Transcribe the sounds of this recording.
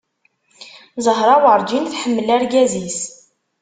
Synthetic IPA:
zˤəɦɾˤɑwʕəɾˤd͡ʒinθħəmːəlæɾɡæzis

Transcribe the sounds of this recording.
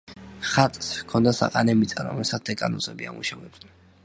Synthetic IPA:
χat̪ʼskʰɔnd̪asa̰qʼanɛmit̪sʼaɾɔ̰mɛsat̪d̪ɛkʼanɔsʼɛbiamuʃavɛbs

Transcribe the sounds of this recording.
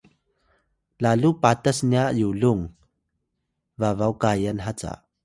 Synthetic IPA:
laːluʔpat̪ɐsniaʔjulʊŋ | vaːvawkajanɦat͡sa̰ʔ

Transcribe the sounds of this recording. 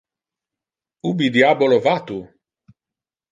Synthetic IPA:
ubid̪jabolovat̪u

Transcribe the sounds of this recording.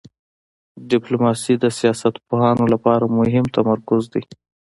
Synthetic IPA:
ɖɪplomɑsid̪əsijɑsat̪poɦɑnolapɑɾamʊɦɪmt̪amaɾkʊzd̪i

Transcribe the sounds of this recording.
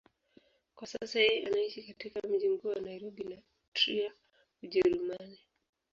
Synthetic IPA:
kwasasahiʔanaiʃikatikam̩ʄim̩kuːwanaiɾɔbina | tɾia | uʄɛɾumani

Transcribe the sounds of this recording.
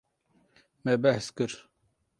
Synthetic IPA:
mɛbɛhskɨɾ

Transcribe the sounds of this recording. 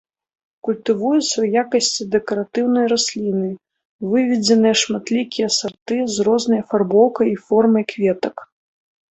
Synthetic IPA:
kulʲt̪ɨvujɛt̪sɐwjakɐsʲt͡sʲid̪ɛkɐɾat̪ɨwnɐjɾasʲlʲinɨ | vɨvʲɛd͡zʲɛnɨjɐʂmat̪lʲikʲijɐsart̪ɨzrɔznɐjɐfarbɔwkɐjifɔrmɐjkvʲɛt̪ɐk

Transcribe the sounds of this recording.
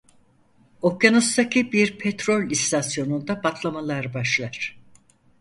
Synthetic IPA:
okjanust̪ʰacʰibiɾpʰɛt̪ɾo̞lʲist̪ʰasjo̞nund̪abak̪ʰlˠamalˠaɾbaʃlˠaɾ̥

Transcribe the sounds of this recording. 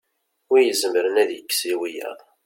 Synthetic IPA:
jəzəmɾənæðjəkːsiwijæ̰ʁ

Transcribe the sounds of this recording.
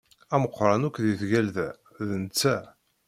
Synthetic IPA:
æməqːɾˤɑnukʷðiθʝælðæ | ðənt͡sːæ

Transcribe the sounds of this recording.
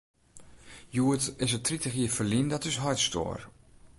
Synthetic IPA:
juətɪsətʰritəxiəfəlindɔtɪsɦɔjtstʰo̰ːr

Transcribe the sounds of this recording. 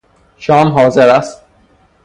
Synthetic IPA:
ʃɒːmɦɒːzeɾæst̪̚

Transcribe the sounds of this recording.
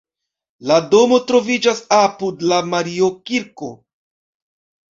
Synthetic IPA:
lado̞mo̞tɾo̞vid͡ʒasapudlamaɾio̞kiɾko̞̰

